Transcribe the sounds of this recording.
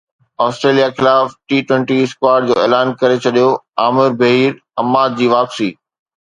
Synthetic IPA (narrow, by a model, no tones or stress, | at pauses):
aːsʈɾeːlijaxɪlaːfʈiːʈwə̃ɳʈiɪskwaːɾɖ̚d͡ʑoːeːlaːnkɐɾet͡ɕʰɐɗijoaːmɪɾbɐɦiːɾ | ɐmaːd̪̚d͡ʑiːʋaːpsiː